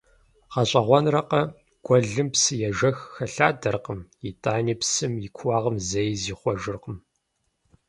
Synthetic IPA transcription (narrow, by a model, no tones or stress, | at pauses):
qɐɕʼɐʁʷɔnrɐqɐ | ɡ̥ʷʼɔɮɨmpsɨjɛʒɐxxɐɬaːdɐrqəmjitʼaːniːpsɨmjɪkʷʰwɑːʁɐmzɐjziːχʷɔʒɨrqəm